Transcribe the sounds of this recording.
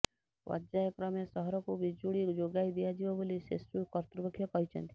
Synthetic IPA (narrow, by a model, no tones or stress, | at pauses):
wʔɔ̰d͡ʒajɔkɾɔmesɔɦɔɾɔkubid͡ʒuɽid͡ʒoɡajd̪ijad͡ʒibɔbolisḛsukɔɾt̪ɾɔbɔkʰːjɔkɔɦit͡ʃʰɔ̰nt̪i̥